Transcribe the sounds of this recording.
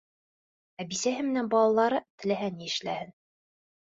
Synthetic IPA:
æbisæɦɘmɘ̆nænbɑlˠɑlˠɑɾɤt̪ɘ̆læɦæniɘ̆ʃlæ̰hɘn

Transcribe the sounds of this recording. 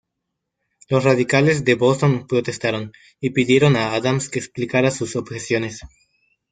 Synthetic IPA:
lo̞sraðikalezðe̞bost̪onpɾot̪e̞st̪aɾo̞n | ipiðje̞ɾonaaðamskeːksplikaɾasuso̞bxesjo̞ne̞s

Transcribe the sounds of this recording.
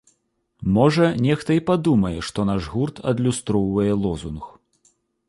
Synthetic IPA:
mɔʐɐnʲɛxt̪ɐipad̪umɐjɛʂt̪ɔnaʐɣurt̪ʰɐ̰d̪lʲust̪ɾɔwvɐjɛlˠɔzunx

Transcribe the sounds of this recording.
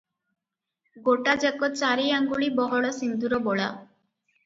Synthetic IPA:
ɡoʈad͡ʑɛkɔt͡ɕaɾiaŋɡuɭibɔɦɔɭɔsind̪uɾɔbɔɭa̰

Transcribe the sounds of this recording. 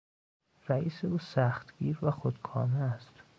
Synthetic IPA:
ræiːseuːsæxt̪ɡiːɾvæxod̪kʰɒːmeæst̪

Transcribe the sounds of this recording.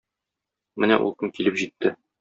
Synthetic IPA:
mɘnæ̰ʔṵlˠkɤŋkilɘpʑit̪ːɘ

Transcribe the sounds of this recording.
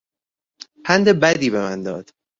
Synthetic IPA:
pʰænd̪ebæd̪iːbe̞mænd̪ɒ̰ːd̪̥

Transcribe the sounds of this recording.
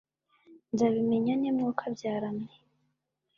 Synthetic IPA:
ndaβime̞ɲanemŋukʰabjaːɾamne

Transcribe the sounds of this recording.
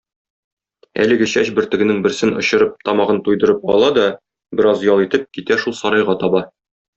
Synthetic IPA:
æ̰lɘ̆ɡɘɕæɕbɘ̆ɾt̪ɘ̆ɡɘ̆nɘŋbɘ̆ɾsɘnŏɕɤ̆ɾɤp̚t̪ɒmɑʁɤnt̪ujd̪ɤ̆ɾɤp̚ɒ̰lˠɑd̪ɒ | bɘ̆ɾɑzjɒlˠit̪ɘp̚kit̪æʃulˠsɒɾɑjʁɑt̪ɒbɑ

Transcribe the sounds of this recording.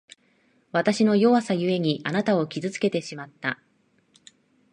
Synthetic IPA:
βat̪aɕino̞jo̞βasajɯ̟e̞ɲ̟iʔanat̪ao̞kʲizɨt͡sɨ̥ke̞t̪e̞ɕimat̪ːa

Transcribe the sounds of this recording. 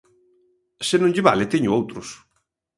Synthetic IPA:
senõɲʎɪβalet̪eɲʊowt̪ɾʊs

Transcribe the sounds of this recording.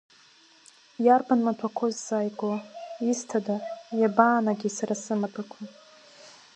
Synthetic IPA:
jarbanmatʰakʷʰozːaːjkʼoistʰadajabaːnaɡʲisaɾasɨmapʰʼakʷʰa

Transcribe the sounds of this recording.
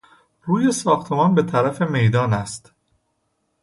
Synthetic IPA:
ruːje̞sɒːxt̪ʰe̞mɒːnbe̞t̪ʰæɾæfe̞me̞jd̪ɒːnæst̪

